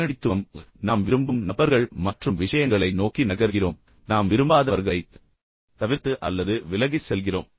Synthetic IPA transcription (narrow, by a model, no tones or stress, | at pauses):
ɐɽɪt̪ːɯmnaːmʋɪɾɯmbɯmnɐbɐɾɣɐɭmɐʈrɯmʋɪʂɐjɐŋɡɐɭɐɪnoːkinɐɣɐɾɣɪroːm | naːmʋɪɾɯmbaːðɐɐɾɣɐɭɐɪ | t̪ɐʋɪɾt̪ɯʔɐ̰lːɐðɯʋɪlɐɣɪsɛlɣɪro̰ːm